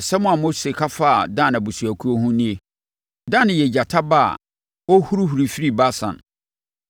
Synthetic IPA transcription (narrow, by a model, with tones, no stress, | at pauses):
sɛ˦mʊ̃˦a˨mo˦se˨kʰa˦fa˦˨dã˦˨na˨bu˨su˨æ˨kʰu˦o˦ɦũ˦nĩ˦e˦ | dã˦˨nɪ̃˨jɛ˨d͡ʑa˨tʰa˦ba˦a̰˨ | ɔ˦hu˦ɾu˦hu˨ɾi˨fi˦ɾi˦˨ba˦sã̰˨n